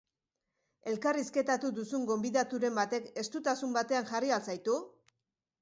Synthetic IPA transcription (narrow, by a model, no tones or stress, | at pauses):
e̞lkariske̞t̪at̪uðusuŋɡo̞mbiðat̪uɾe̞mbat̪e̞ke̞st̪ut̪asumbat̪e̞aŋʝarialsajt̪u